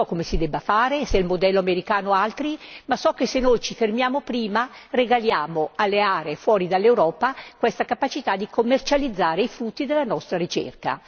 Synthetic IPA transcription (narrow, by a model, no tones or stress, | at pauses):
ɔkːomesid̪ɛbːafaːɾesɛlmod̪ɛlːoameɾikaːnoalt̪ɾimasɔkːesenːojt͡ʃifermjaːmopɾiːmareɡaljaːmoalːeaːɾeːfwɔːɾid̪alːewɾɔːpakwest̪akapat͡ʃit̪ad̪ikʰomːert͡ʃalid̪zːaːɾeifɾut̪ːid̪elːanɔst̪ɾaɾit͡ʃḛrka̰